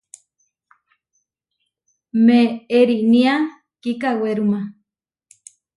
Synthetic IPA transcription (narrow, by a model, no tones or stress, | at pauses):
meeɾinia | kikaweɾuma